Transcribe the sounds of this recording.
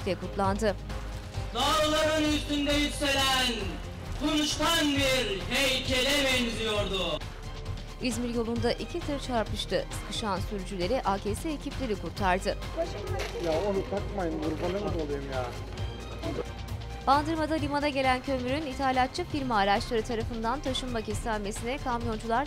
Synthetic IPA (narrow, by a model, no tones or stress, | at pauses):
t̪ɛkut̪lˠand̪ɯ | d̪aːɾlˠaɾɯnyst̪ynd̪ɛjykse̞næn | kʰonuʃt̪anbiɾɦejcʰelʲɛbɛɲzijoɾd̪ʊ | izmiɾjo̞lˠund̪aʔicʰisɯɾt͡ʃʰaɾp̪ɯʃt̪ʰɯsɯ̥kʰɯʃansyɾd͡ʒylʲe̞ɾiʔaːcʰesɛːcʰiplʲe̞ɾikuɾt̪ʰaɾd̪ɯ | t̪ʰaʃɯmajaonut̪ʰakmajɯnɡuɾbalˠamɯd̪olˠajɯmjaː | b̥and̪ɯɾmad̪alʲimad̪aɟe̞lʲæncʰømyɾynit̪ʰalʲjat̪̚t͡ʃʰːɯfiɾmaːɾat͡ʃlˠaɾɯt̪ʰaɾafɯnd̪ant̪ʰaʃɯmbacɛst̪ænʲme̞sinɛkʰamjo̞nd͡ʒulˠaɾ